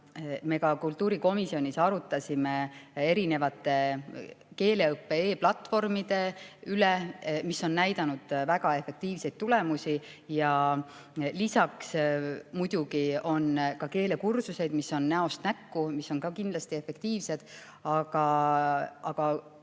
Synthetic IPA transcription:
me̞kɑkult̪ːuːɾiko̞misio̞nʲisɑɾut̪ːˑɑsʲimee̞ɾine̞vɑt̪ːˑe̞ | ke̞ːle̞ɤpːe̞eːplɑt̪ːˑfo̞rmid̪̥e̞ylemisːo̞nːæjd̪̥ɑnud̪̥væɡ̥ɑe̞fe̞k̚t̪iːvse̞jd̥̪̚t̪ːulemusʲi | jɑ | lisɑksmujd̪̥uɡio̞nkɑke̞ːle̞kursuse̞jd̪̥misːo̞nnæo̞st̪nækːumisːo̞nkɑkind̪lɑst̪ie̞fːe̞kt̪iːvse̞d̪̥ | ɑɡ̥ɑ | ʔɑɡ̥ɑ

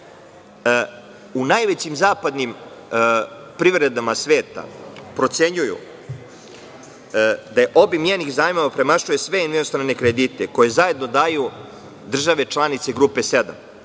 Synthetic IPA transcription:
unajʋet͡ɕimzaːpad̪nim | pɾiʋɾe̞d̪amasʋeːt̪a̰pɾo̞t̪se̞ɲujṵ | d̪ajeʔo̞bimjeːniɣzaːjimoʋapɾe̞maʃujesʋe̞enʋinost̪ɾane̞kɾed̪it̪eko̞je̞zaje̞d̪no̞d̪aːju | d̪r̩ʒaʋe̞t͡ʃlˠanit̪se̞ɡɾuːpe̞sed̪a̰m

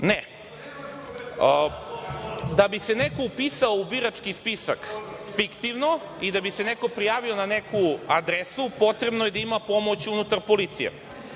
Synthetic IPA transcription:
ne | d̪abise̞nekoupisaoubiɾat͡ʃkispisakfikt̪iʋno | id̪abise̞neko̞pɾijaːʋio̞nanekuad̪ɾesupo̞t̪ɾe̞bno̞jed̪aimapo̞mo̞t͡ɕunut̪aɾpolit̪sijḛ

